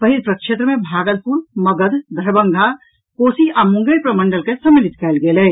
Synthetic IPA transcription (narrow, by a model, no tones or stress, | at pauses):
pəɦilpɾəkʃet̪ɾəmẽbʱaːɡəlpuɾməɡəd̪d̪ʱəɾbə̃ŋɡʱa | koːsiʔamʊ̃ŋɡəjpɾəməɳɖəlkesəmːilit̪kɛːlɡelɛ